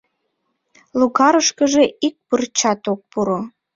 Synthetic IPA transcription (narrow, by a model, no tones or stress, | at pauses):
luɣɑɾəʃkəʒeik̚pərt͡ɕɑt̪ok̚puɾo